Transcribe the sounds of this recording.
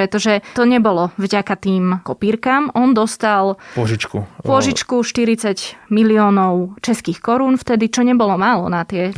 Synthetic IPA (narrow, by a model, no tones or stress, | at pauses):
pɾɛt̪ɔʒɛt̪ɔɲɛbɔlɔvɟakat̪iːmkɔpiːɾkaːmʔɔnd̪ɔst̪alɔʒit͡ʃkṵppʊɔʒit͡ʃkuʃt̪iɾit͡saɟmiliɔːnɔʊt͡ʃɛskiːxkɔɾuːnft̪ɛd̪it͡ʃɔɲɛbɔlɔmaːlɔ̰nat̪ɪɛ